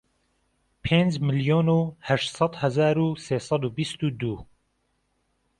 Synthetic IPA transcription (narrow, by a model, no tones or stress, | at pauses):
pʰeːnd͡ʒmɨljoːnuːhɛʃt̪sɑd̪hɛzaːɾuːseːsɑd̪uːbist̪uːd̪uː